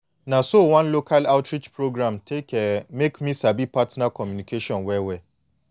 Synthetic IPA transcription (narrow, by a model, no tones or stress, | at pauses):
nãsowãnlokʰalaʊtɾid͡ʒpɹoɡɾãmtʰekɛmekmĩsabipatnakɔmjunikeʃɔ̃nwɛwɛ